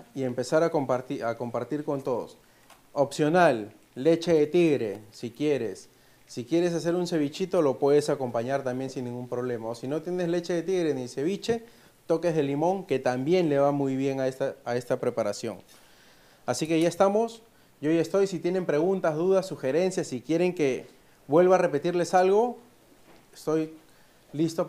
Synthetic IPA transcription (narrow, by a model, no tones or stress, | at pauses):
ie̞mpe̞saɾakompaɾt̪iako̞mpaɾt̪iɾko̞nt̪o̞ðo̰s | opsjo̞nalː | e̞t͡ʃe̞ðe̞t̪iɣɾe̞sikje̞ɾe̞sː | ikje̞ɾe̞s̬as̬e̞ɾunse̞βit͡ʃit̪o̞lo̞pwe̞ð̞e̞sako̞mpaɲaɾt̪ambje̞nsinːĩŋɡumpɾo̞β̞le̞maosino̞t̪jene̞zle̞t͡ʃeðe̞t̪iɣɾe̞nise̞β̞it͡ʃe̞ | t̪o̞ke̞zðe̞limo̞ŋke̞t̪ambje̞nle̞βamujβje̞ŋaest̪aːe̞st̪apɾe̞paɾasjo̞̰ŋ | asikejaest̪amos | ʝoie̞st̪o̞jsit̪je̞ne̞mpɾe̞ɣ̞unt̪azðuðasːuxe̞ɾe̞nsjasikjeɾe̞ŋke̞ | βwe̞lβaːre̞pe̞t̪iɾle̞salɣ̞o̞ | est̪o̞j | list̪o